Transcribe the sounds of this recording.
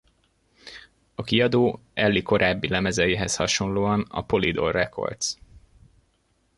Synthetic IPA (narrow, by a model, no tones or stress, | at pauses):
ɒkiɒd̪oːɛlːiko̞ɾʔaːbːilɛmɛzɛjeːɦɛshɒʃo̞nloːɒnɒ̰po̞lid̪o̞̰rrɛkʰo̞̰rd̪s